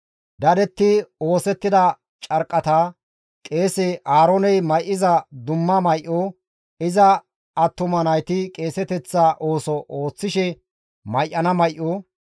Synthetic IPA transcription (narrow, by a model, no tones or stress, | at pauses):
d̪ɐd̪ɛt̪ːɪo̞ːsɛt̪ːɪd̪ɐ | t͡ʃʼɐɾkʼːɐt̪aː | kʼe̞ːsɛʔaːɾonɛjmɐjʔːɪzɐd̪ʊmːɐmɐjʔu | ɪzɐ | ɐt̪ːʊmɐnɐjt̪ɪkʼe̞ːsɛt̪ɛt͡sːaːʔoːsɔʔo̞ːt͡sːɪʃɛ | mɐjʔɐnɐmɐjʔːu